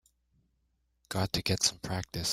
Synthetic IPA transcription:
ɡ̥ɑd̚tʰɨɡɛtsʌ̃mpʰɹ̥æk̚tɨs

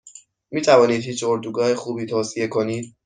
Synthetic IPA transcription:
miːt̪ʰævɒːniːd̪hiːt͡ʃʰoɾd̪uːɡɒːhexuːbiːt̪ʰoːsijekʰoniːd̪̚

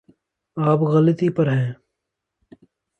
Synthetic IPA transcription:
aːpɣɐlət̪ipɐɾɦɛ̃ː

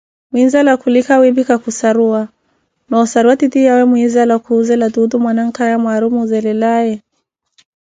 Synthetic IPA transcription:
mwinzalakulikawibikakusaɾua | nɔusaɾuatitijawɛmwizalakuzɛladudumwanaŋ̩kajamwaɾumuzɛlɛlajɛ

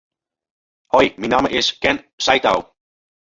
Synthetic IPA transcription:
hɔjminɑːməʔɪskɛn | sajta̰w

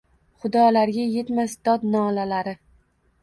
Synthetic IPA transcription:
χʊd̪ɒlaɾɡʲaje̞t̪masd̪̥ɒt̪nɒːlalaɾɪ

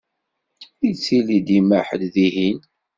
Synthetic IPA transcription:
it͡sːilid̪imæħəd̪ðiɦin

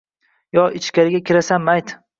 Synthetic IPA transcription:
jɒɪt͡ʃkʲaɾɪɡʲakʲʰɪɾasanmajt̪

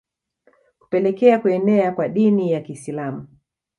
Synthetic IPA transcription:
ku̥pɛlɛkɛakuɛnɛakwaɗinijakisilamu

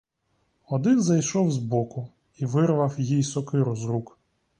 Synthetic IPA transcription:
ɔd̪ɪnzɐjʃɔwzbɔkʊ | iʋɪɾʋɐwjijsɔkɪɾɔzɾuk

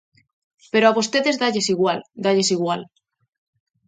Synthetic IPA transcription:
pe̞ɾoaβost̪e̞ðe̞zðaʎesiɣwald̪aʎesiɣ̞wal

